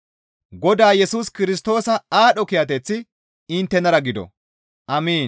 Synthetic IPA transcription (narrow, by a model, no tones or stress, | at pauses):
ɡɔd̪aːjɛsuːskɪɾɪs̬t̪o̞ːsɐaːɗɔkɪjɐt̪̬ɛt͡sːɪ | ɪnt̪ːɛnɐɾɐɡɪd̪ɔ̰ | ʔɐmiːn